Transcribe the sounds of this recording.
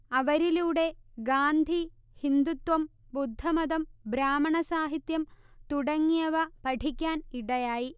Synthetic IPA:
ɐʋɐɾiluːɽe̞ɡaːnd̪ʱi | hind̪ut̪wɐmbud̪ʱːɐmɐd̪ɐmbɾaːmɐɳɐsaːɦit̪jɐmt̪uɽɐŋːijɐʋɐpɐʈʰikʲːaːniɽɐjaːji

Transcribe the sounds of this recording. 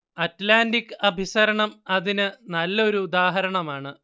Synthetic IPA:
ɐtlaːndikːɨɐbʱisɐɾɐɳɐmɐðinɨnɐlːɐo̞ɾuud̪aːɦɐɾɐɳɐmaːɳɨ

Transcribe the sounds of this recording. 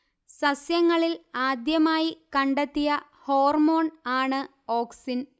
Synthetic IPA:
sɐsjɐŋːɐɭilaːd̪jɐmaːjikɐɳɖet̪ːijɐ | ho̞ːrmo̞ːɳaːɳɨ | o̞ːksin

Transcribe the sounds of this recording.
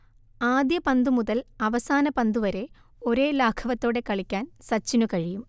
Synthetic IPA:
aːd̪jɐpɐnd̪umuðɐlɐʋɐsaːnɐpɐnd̪uʋɐɾe̞ | o̞ɾe̞ːlaːkʰɐʋɐt̪ːo̞ːɽe̞kɐɭikʲːaːnsɐt͡ɕːinukɐɻijum

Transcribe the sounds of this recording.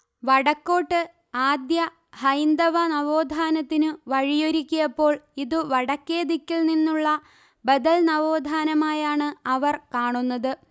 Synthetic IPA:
ʋɐɽɐkːo̞ːʈːɨ | aːd̪jɐ | hɐjnd̪ɐʋɐnɐʋoːd̪ʱaːnɐt̪ːinɨʋɐɻijoɾikʲːujɐpːo̞ːɭiðɨʋɐɽɐkːe̞ːd̪ikʲːilninːuɭːɐ | bɐd̪ɐlnɐʋo̞ːd̪ʱaːnɐmaːjaːɳɨɐʋɐrkaːɳunːɐðɨ

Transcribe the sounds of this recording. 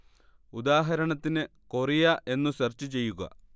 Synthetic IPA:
ud̪aːɦɐɾɐɳɐt̪ːinɨ | korijaʔe̞nːuɕɐrt͡ɕːut͡ɕe̞jːuɣɐ̰

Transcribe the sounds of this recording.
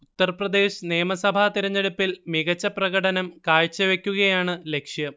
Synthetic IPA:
utt̪ːɐrprɐd̪e̞ːɕneːmɐsɐbʱat̪iɾɐɲːe̞ɽupːilmiɣɐt͡ɕːɐprɐɣɐɽɐnɐmkaːɻt͡ɕːɐʋe̞kʲːuɣɐjaːɳɨle̞kʂjɐ

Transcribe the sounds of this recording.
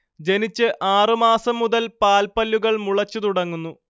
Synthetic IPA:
d͡ʑe̞nit͡ɕːɨʔaːrɨmaːsɐmːuðɐlpaːlpɐlːuɣɐɭmuɭɐt͡ɕːut̪uɽɐŋːunːu

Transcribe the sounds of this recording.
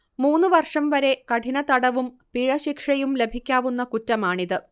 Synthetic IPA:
muːnːɨʋɐrʂɐmʋɐɾe̞kɐʈʰinɐt̪ɐɽɐʋum | piɻɐɕikʂɐjumle̞bʱikʲːaːʋunːɐkutːɐmaːɳiðɨ

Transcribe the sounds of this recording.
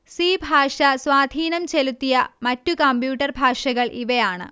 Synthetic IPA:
siːbʱaːʂɐswaːd̪ʱiːnɐmt͡ɕelut̪ːijɐmɐtːukɐmbjuːʈːɐrbʱaːʂɐɣɐɭʔiʋɐjaːɳɨ̰

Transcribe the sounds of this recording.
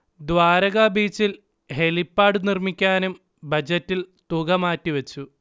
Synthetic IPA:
d̪ʋaːɾɐɣɐbiːt͡ɕːil | helipːaːɽɨnirmikʲːaːnum | bɐd͡ʑɐtːilt̪uɣɐmaːtːiʋɐt͡ɕːu

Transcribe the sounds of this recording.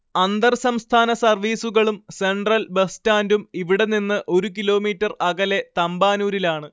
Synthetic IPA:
ɐnd̪ɐrsɐmst̪ʰaːnɐsɐrʋiːsuɣɐɭumse̞ɳɖrɐlbestaːndumiʋiɽe̞ninːɨʔo̞ɾukilo̞ːmiːtːɐrɐɣɐle̞t̪ɐmbaːnuːɾilaːɳɨ

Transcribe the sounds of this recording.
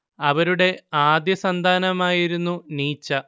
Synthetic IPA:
ɐʋɐɾuɽe̞aːd̪jɐsɐnd̪ʱaːnɐmaːjiɾunːuniːt͡ɕːɐ

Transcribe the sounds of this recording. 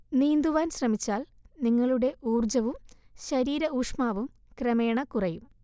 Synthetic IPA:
niːnd̪uʋaːnɕrɐmit͡ɕːaːl | niŋːɐɭuɽe̞ʔuːrd͡ʑɐʋumɕɐɾiːɾɐuːʂmaːʋum | krɐmeːɳɐkurɐjum

